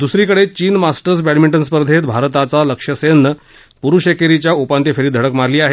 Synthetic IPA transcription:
d̪usɾiːkəɽet͡ɕiːnmasʈəɾsbæɽmiɳʈənspəɾd̪ʱet̪bʱaɾt̪at͡saləkʂəsenːə | puɾuɕekeɾit͡ɕjaupãnt̪efʰeɾiːd̪ʱəɽəkmaɾliːaɦe

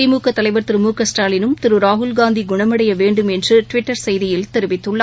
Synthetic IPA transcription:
ɪmuːkɐt̪ːɐlɐɪʋɐɾt̪ɪɾɯmuːkɐsʈaːlɪnɯmt̪ɪɾɯɾaːɦʊlɡaːnd̪iɡʊɳɐmɐɽɐjɐʋeːɳɖɯmɛndrɯʈʋɪʈːɐɾsɛjðɪjɪlt̪ɛɾɯʋɪt̪ːɯɭːɐ

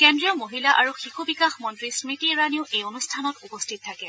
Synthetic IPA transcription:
kɛndɹijɔmoɦilaʔaɹuxixubikaxmɔntɹismitiɹaniʊejonustʰanɔtupostʰit̚tʰakɛ

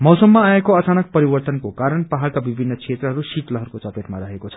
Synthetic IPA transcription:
mʌwsʌmːaːekoʌt͡sanʌk̚pʌɾibʌrt̪ʌnkokaɾʌnpaɦalkabibʱinːʌksʰet̪rʌɦʌɾusitlʌɦʌɾukot͡sʌpet̪maɾʌɦekot͡sʰʌ̥

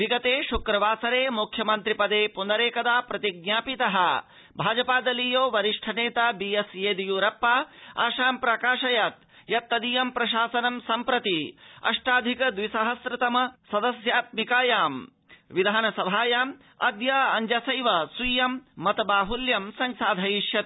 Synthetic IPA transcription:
ʋiɡɐt̪eːʃukɾɐʋaːsɐɾeːmukʰjɐmɐnt̪ɾipɐd̪eːpunɐɾeːkɐd̪aːpɾɐt̪iɡ̚nʲjaːpit̪ɐɦɐ̰̆ | bʱaːd͡ʒɐpaːd̪ɐlijoːʋɐɾiʂʈʰɐneːt̪aːbijɐsjeːd̪ijuːɾɐpːaːa̰ːʃaːmpɾɐkaːʂɐjɐt̪̚ | jɐt̪ːɐd̪ijɐmpɾɐʃaːsɐnɐmsɐmpɾɐt̪iɐ̰ʂʈaːd̪ʱikɐd̪ʋisɐɦɐsɾɐt̪ɐmɐsɐd̪ɐsjaːt̪̚mikaːjaːm | ʋid̪ʱaːnɐsɐbʱaːjaːm | ɐ̰d̪jɐɐɲd͡ʒɐsɐjʋɐsujɐmːɐt̪ɐbaːɦuljɐmsɐŋsaːd̪ʱɐjiʃjɐt̪

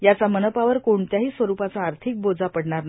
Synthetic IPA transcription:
jat͡samənəpaʋəɾkoɳt̪jaɦiːsʋəɾupat͡saːɾt̪ʰik̚bod͡zapəɽɳaɾna

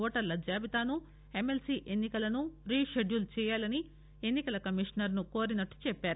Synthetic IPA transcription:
ɔːʈɐɾlɐd͡ʒaːbit̪aːnu | e̞melsiʔe̞nːikɐlɐnuɾiːʃeɖjult͡ʃɛːjaːlɐni | e̞nːikɐlɐkɐmiʂɐnɐɾnukoːɾinɐʈːu̥t͡ʃɛpːaːɾu

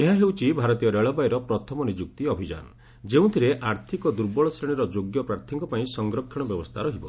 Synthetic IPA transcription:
eɦaɦewt͡ʃʰibʱaɾɔt̪ijɔɾeɭɔbajɾɔpɾɔt̪ʰɔmɔnid͡ʒuk̚t̪iɔbʱid͡ʒa̰nɔ | d͡ʒeũt̪ʰiɾeʔaɾt̪ʰikɔd̪uɾbɔɭɔsɾeɽ̃iɾɔd͡ʒoɡjɔpɾaɾt̪ʰɔŋkɔpaĩsɔŋɡɾɔkʰːjɔɽ̃ɔbjɔbɔst̪ʰaɾɔɦibɔ̰

